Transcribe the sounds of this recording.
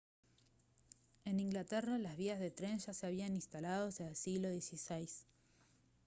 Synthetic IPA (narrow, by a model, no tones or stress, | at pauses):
e̞nĩŋɡlat̪eralazβ̞iazðet̪ɾenʒaseaβ̞ianĩnst̪alaðosealsiɣlo̞ðje̞sisejs